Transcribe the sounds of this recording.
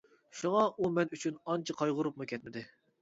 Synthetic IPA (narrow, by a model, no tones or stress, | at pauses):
ʃuŋɑʔumɛnyt͡ʃʰynɑnt͡ʃʰɪqʰɑjʁʊɾʊp̚mukʲʰɛt̪mɪd̪ɪ